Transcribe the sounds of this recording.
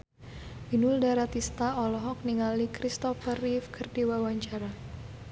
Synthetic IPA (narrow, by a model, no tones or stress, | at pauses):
binʊldaɾat̪ist̪aɔlɔɦɔk̚niŋalikɾist̪ɔfərifkʰərdiwawaɲt͡ʃaɾa